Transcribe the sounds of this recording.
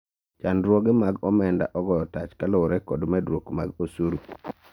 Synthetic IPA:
t͡ʃandɾwoɡemaɡɔmɛnda̰ʔɔɡɔjɔtat͡ʃkaloɾɛkɔdmɛdɾwokmaɡosuɾu

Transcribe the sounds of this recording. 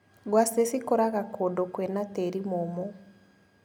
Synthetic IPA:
ɡwasesikoɾaɣakodokwɛnatɛɾimomɔ

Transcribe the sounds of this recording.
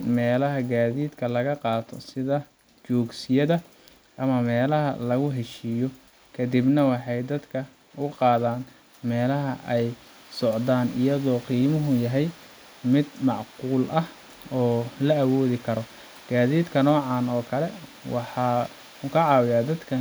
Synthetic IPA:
mɛːlɐɦɐɡaːðiːd̪kʰɐlɐɣɐqɑːt̪ʰɔ̰sɪðɐ | t͡ʃɔːɡsɪjɐðɐ | ʔɐmɐmɛːlɐɦɐ̰lɐɣʊɦɛʃiːjɔ | kʰɐd̪ibnɐwɑħɑjd̪ɐd̪kʰɐ | ʊqɑːðaːn | mɛːlɐɦɐʔɛj | sɔʕd̪aːnɪjɐðɔːqiːmʊɦʊjɐɦɛj | mɪd̪mɑʕquːlʔɐh | ɔːlɐːwɔːðɪkʰɐɾɔ | ɡ̥aːðiːd̪kʰɐnɔːʕɑːnɔːkʰɐlɛ | wɑħɑː | ʊkʰɐʕɑːwɪjaːd̪ɐd̪kʰɐ

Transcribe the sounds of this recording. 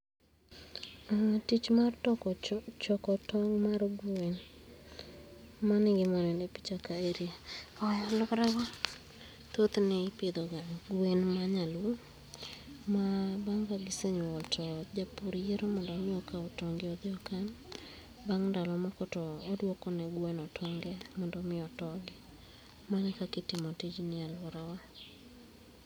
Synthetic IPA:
atit͡ʃmartɔkt͡ʃɔkɔtɔŋmaɾoɡwen | manɪɡɪmɔnɛndepi̥t͡ʃakaeɾiaɔjɔlʊkɾaɡɔ | t̪ot̪nɪpɪd̪oɡaɡwwenmaɲalwo | mabaŋkaɡɪseɲɔltʰɔd͡ʒapuɾjeɾomɔndɔmɪɔkaɔtɔŋɡɪɔd̪ɪɔkan | baŋndalɔmɔkɔtɔːdwokɔnɛɡwenɔtʰɔŋɡɛmɔndɔmɪɔtɔɡɪ | manɛkakɪtɪmɔtid͡ʒnɪalwoɾawa

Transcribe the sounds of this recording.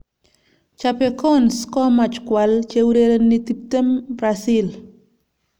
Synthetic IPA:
t͡ʃapɛkɔnskɔmat͡ʃkwalt͡ʃewɾeɾonit̪ip̚t̪embɾasɪl

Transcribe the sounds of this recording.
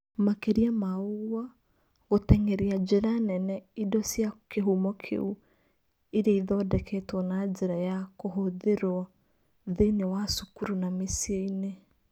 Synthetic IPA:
makeɾiamauɣwa | ɣotɛŋɛɾiad͡ʒeɾanɛnɛidɔsjakeɦumɔkʰḛu | iɾeiðɔdɛkʰɛtwɔnad͡ʒeɾajakoɦoðeɾwa | ðenewasukuɾunamesieine

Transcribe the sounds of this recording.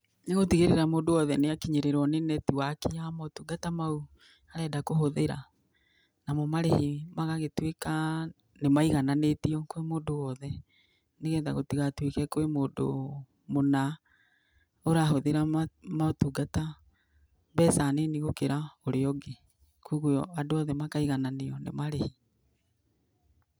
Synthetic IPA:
neɣotiɣeɾeɾamoːndowɔðɛneakiɲeɾeɾɔnenɛtiwakiamɔtuɡatamau | aɾɛːdakoɦoðeɾa̰ | namɔmaɾehimaɣaɣetweka | nemaiɣananetiɔkwemoːndowɔðɛ | neɣɛːndaɣotiɣatwekɛkoemoːdo̰ | mona | oɾaɦoðeɾamaotuɡata | bɛːsaneniɣokeɾaoɾeɔɡe | kuɣojɔadoɔðɛmakaiɣananeɔnḛmaɾehi

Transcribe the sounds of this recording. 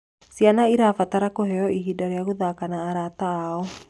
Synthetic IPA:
sianaiɾafat̪aɾakoɦɛɔʔiɦidaɾiaɣuðakanaːɾat̪aːɔ

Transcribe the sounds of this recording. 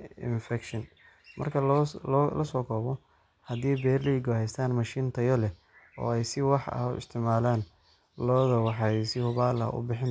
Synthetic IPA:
ɪ̰nfɛkʃɪn | mʔɐ̰rkʰɐllʔɐsɔːkʰɔːβɔ | hɐðiːbɛːrliːɡɔhɛjst̪ʰaːnmɐʃiːnt̪ʰɐjɔlɛ | ɔ̰ːɛjsɪwɑħɐ̰hʊ̰ɪ̰st̪ʰɪmaːlaːn | lɔːðɐwɑħɑjsɪhʊβaːlɐ̰ʊ̰bɪħɪn

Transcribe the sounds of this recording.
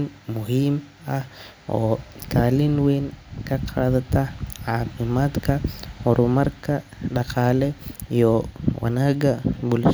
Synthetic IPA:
nmʊɦiːm | ɐh | ʔɔːt̪ʰaːlɪnwɛːŋkʰɐqʰaːðɐt̪ʰɐʕaːfɪmaːd̪kʰɐhɔɾʊmɐrkʰɐ | ɖɐqɑːlɛijɔwɐ̰naːɡɐbʊlʃ

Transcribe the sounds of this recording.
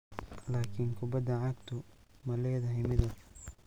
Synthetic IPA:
laːkʰiŋkʰʊbɐd̪ːɐʕɑɡ̚t̪ʰʊ | mɐlɛːðɐɦɪjmɪðɐ

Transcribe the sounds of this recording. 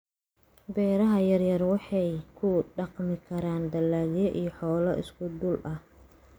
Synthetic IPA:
bɛːɾɐɦɐjɐrjɐrwɑħɑjkʰʊɖɑqmɪkʰɐɾaːnd̪ɐlːaːljɔʔijɔħɔːlɐɪ̰skʰʊd̪ʊlʔɐh

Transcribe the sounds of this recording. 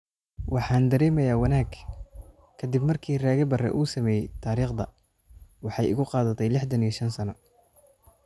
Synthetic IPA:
wɑħɑːnd̪ɐɾɛːmɛjaːwɑnaːɡ | kʰɐd̪ɪbmɐrkʰiːraːɣɐbɐrɛ̰ʔuːsɐmɛːjɛjt̪ʰaːɾiːχd̪ɐ | wɑħɑjɪ̰ɣʊqɑːðɐt̪ʰɛjlɪħd̪ɐnijʃɐnsɐnɐ

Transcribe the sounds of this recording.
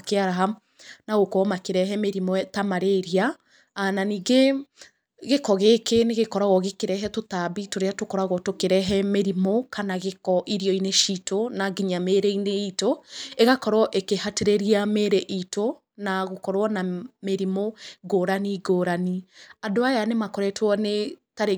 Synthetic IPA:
keaɾaɦam | naɣokɔmakeɾɛɦɛmeɾimɔtamaɾeɾia | ananiːɡe | ɣekɔɣekeneɣekɔɾaɣɔɣekeɾɛɦɛtotabitoɾeatokɔɾaɣɔtokeɾɛɦɛmeɾimokanaɣekɔʔiɾijɔineʃitonaɡiɲameːɾeineitoeɣakɔɾɔʔekehateɾeɾiameɾeʔito | naɣokɔɾɔnameɾimoɡoːɾaniɡoɾaniadoajanemakɔɾɛtwɔnetaɾe

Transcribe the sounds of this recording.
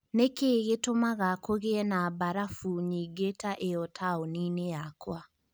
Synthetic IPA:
nekeːɣetomaɣakoɣeɛnabaɾafuɲiːɡetaʔeɔtʰaoniːnejakwa

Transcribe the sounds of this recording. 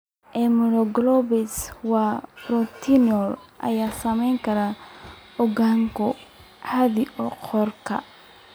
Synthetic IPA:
ʔɛmɔɾɔɡlɔbɛswɑbɾɔt̪ʰinɔlʔɐ̰jaːsɐmɛjŋkʰɐɾa | ɔɡaŋkʰɔ | ʕaðiʔɔqʰɔrkʰɐ̰

